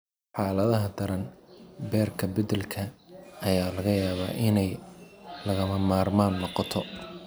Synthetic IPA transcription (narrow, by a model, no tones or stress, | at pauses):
ħaːlɐðɐɦɐd̪ɐɾɐnbɛːrkʰɐbɐd̪ɛlkʰɐɐjaːlɐɣɐjaːβa̰ːʔɪnɛjlɐɣɐmɐmaːrmaːnːɔqɑt̪ʰɔ